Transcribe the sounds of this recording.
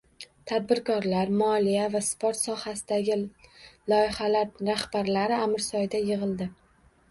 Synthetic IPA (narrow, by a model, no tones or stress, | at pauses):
t̪ʰad̪̚bɪɾkʰɒɾlaɾmɒlijavaspʰoɾt̪sɒhasɪd̪aɡʲɪlˠɒjɪhalaɾɾahbaɾlaɾɪamɪɾsɒjd̪ajɪʁɨlˠd̪ɪ